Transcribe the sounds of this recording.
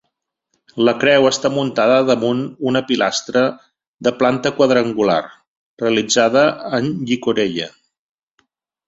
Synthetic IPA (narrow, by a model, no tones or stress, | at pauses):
ləkɾɛwəst̪amunt̪aðəðəmununəpilast̪ɾə | d̪əplant̪əkwəðɾəŋɡula̰r | reəlid͡zað̞əːnʎikuɾeʎə